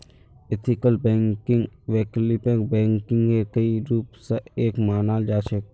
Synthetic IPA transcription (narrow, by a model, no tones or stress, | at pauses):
et̪ʰɪkəlbɛ̃ːŋkɪŋɡʋeːklipẽːbɛ̃ːŋkɪ̃ŋɡkekəiɾuːpseeːkmaːnaːld͡ʒaːt͡ʃek̚